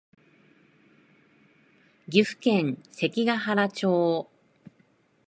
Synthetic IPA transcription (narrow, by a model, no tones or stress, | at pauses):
ɡʲiɸɯ̟̥kẽ̞ŋ̃se̞kʲiɡaɦaɾat͡ɕoː